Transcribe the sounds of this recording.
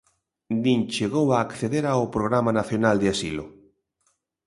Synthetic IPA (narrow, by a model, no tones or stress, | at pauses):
d̪int͡ʃeɣowaːkθeðeɾaopɾoɣɾamanaθjonald̪easilʊ